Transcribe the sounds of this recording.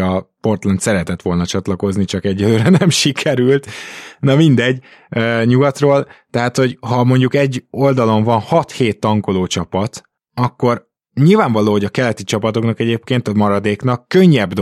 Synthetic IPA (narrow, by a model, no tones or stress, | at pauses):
ɒpo̞rt̪lɛnt̪sɛɾɛt̪ɛt̪ʋo̞lnɒt͡ʃɒt̪lɒko̞znit͡ʃɒkɛɟːɛløːɾɛnɛmʃikʰɛɾylt̪nɒmind̪ɛɟː | øːɲuɡɒt̪roːlt̪ɛɦaːt̪ho̞ɟɦɒmo̞ɲɟukɛɟːo̞ld̪ɒlo̞ɱvɒnhɒt̪heːt̪ːɒŋko̞loːt͡ʃɒpɒt̪ | ɒkːo̞r | ɲilvaːɱvɒloːɦo̞ɟɒkɛlɛt̪it͡ʃɒpɒt̪o̞knɒkɛɟeːpkeːnt̪ɒmɒɾɒd̪eːknɒkːøɲːɛbd̪